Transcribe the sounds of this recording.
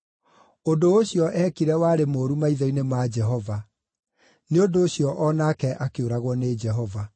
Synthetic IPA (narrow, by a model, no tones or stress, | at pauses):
ondoːɕiɔʔɛkiɾɛwaːɾemoːɾumaiðainemad͡ʒɛɦɔva | neondoːɕiɔʔɔnakɛʔakeoɾaɣwɔned͡ʒɛɦɔva